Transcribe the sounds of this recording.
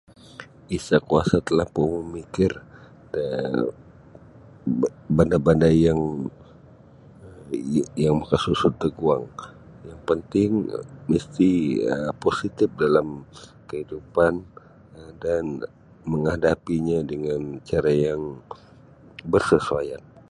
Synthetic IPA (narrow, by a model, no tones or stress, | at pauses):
isakua̰sat̪əlahpuŋməmikɪr | ə | bandabandajaŋ | jaŋmakasusʊəɡuaŋ | jaŋpənt̪ɪŋməst̪iəposit̪ɪf̚dalamkəhidupan | dan | məŋadapiɲadəŋant͡ʃaɾajaŋ | bərsəsuaja̰n